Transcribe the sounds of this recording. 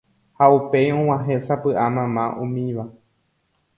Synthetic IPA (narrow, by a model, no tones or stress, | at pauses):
haupe̞jõw̃ãɦesapɨʔamãmãʔũmĩʋa